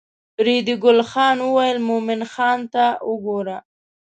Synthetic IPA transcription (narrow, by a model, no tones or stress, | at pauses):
ɾid̪ɪɡʊlxɑnwəwajəlmomɪnxɑnt̪aəɡoɾa